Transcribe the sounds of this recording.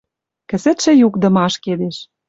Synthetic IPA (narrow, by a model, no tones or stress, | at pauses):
kɘ̆zɘ̆t̪ʃɘ̆jukd̪ɤ̆mɑʃked̪eʃ